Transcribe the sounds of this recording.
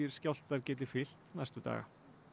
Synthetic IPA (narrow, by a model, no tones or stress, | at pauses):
ɪɾ̥skcjawl̥t̪aɾcɛːt̪ɪfɪl̥t̪nɛst̪ʏt̪a̰ːɣa̰